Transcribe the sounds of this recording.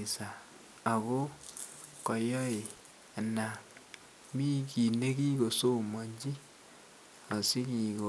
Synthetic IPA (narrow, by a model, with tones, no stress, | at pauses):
sa˨ | a˨ɣo˦ | kɔ˨jɔ˦e˨ | a˨na˨ | mi˦ki˨ne˦ki˦ɣo˨so˦mo˨ɲd͡ʒi˦ | a˨si˦kiː˨ɣo˨